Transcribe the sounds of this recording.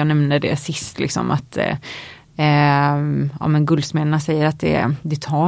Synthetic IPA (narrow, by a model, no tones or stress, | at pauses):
ɑːnɛmnəd̪ɛ̰sɪst̪lɪ̰ksɔ̰mʔa̰t̪ | ɑ̰ːmɛnɡɵld̪smɛnəɳasɛjːəɾat̪̚d̪ɛ̰d̪ɛt̪ʰɑː